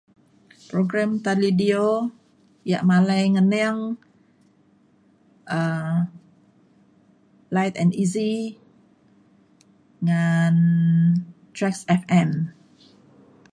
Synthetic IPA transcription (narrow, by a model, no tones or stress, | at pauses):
pɾoɡɾɛ̃mt̪alidio | jaʔmalajŋənɛaŋ | ʔə | lajt̪ɛ̰̃ndizi | ŋan | t̪ɾɛksɛfɛ̃m